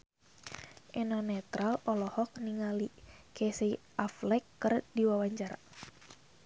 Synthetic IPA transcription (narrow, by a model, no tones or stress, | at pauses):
ʔɛnɔnɛt̪ɾalɔlɔhɔk̚niŋalikɛsei | ʔaflɛkːɨrdiwawaɲd͡ʒaɾa